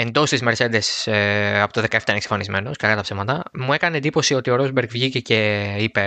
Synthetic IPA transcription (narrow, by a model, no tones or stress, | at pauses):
e̞nd̪o̞st̪izmeɾse̞d̪e̞sɐpot̪oðe̞kɐeft̪ɐineksɐ̥fɐnizme̞no̞skɐɣɐt̪ɐpsevmɐt̪ɐmue̞kɐneend̪ipo̞sio̞t̪io̞ɾozbeɾɡvʝicece̞ipe̞